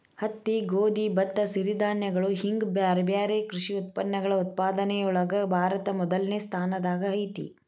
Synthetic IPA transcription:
hɐt̪ːiɡoːd̪ibɐt̪ːɐsiɾid̪ʱaːnjɐɡɐɭuɦiŋɡbjaːɾbjaːɾeːkɾuʂiut̪̚pɐnːɐɡɐɭɐut̪̚paːd̪ɐnɛjɐɔɭɐɡɐbʱaːɾɐt̪ɐmɔd̪ɐlnest̪ʰaːnɐd̪aːɡɐɐjt̪ḭ

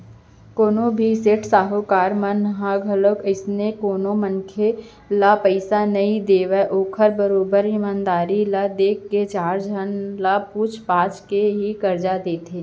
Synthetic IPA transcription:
koːnobʱiseːʈsaːɦokaːɾmanɦãɡʱəlokɪsnekoːnomənkʰe | lapəɪsanɐĩd̪eːʋɛʔoːkʰəɾbəɾoːbəɾɪmãːnd̪aːɾilad̪eːkːet͡ʃaːɾd͡ʒʱənlapuːt͡ʃʰpaːt͡ʃkeɦikɐɾd͡ʒad̪eːt̪ʰeː

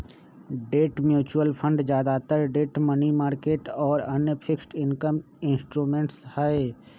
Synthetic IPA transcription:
ɖeːʈmjuːt͡ʃuəlpʰə̃ɳɖd͡ʒjaːd̪at̪əɾɖeːʈmənimaːɾkeːʈɔːɾənjəpʰɪksʈɪnkəm | ɪ̃nsʈɾuːmẽːɳʈshɛe

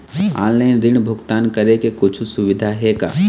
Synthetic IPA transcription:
a̰ːnlaɪnɾɪnbʱʊɡt̪aːnkɐɾekekʊt͡ʃʰusʊʋɪd̪ʱaɦeka̰ː

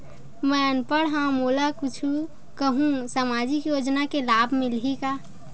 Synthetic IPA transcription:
mɛənpəɽɦãmoːlakʊt͡ʃʰu | kəɦũsaːmaːd͡ʒɪkjoːd͡ʒnakelaːbʱmɪlɦika

